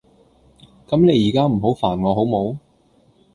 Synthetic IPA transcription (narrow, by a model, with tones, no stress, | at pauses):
kɐ˨˥mne˨˧jiː˨˩kaː˥m̩˨˩ɦo˨˥wfaː˨˩nŋɔː˨˧ɦo˨˧˥wmo˨˧˥w